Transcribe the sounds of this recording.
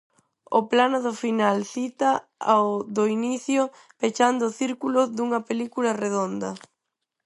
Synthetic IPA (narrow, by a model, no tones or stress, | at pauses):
ʊplanoðʊfinalθit̪ɐ | ðoiniθjʊ | pet͡ʃand̪ʊθiɾkulʊðuŋɐpelikulɐreðond̪ɐ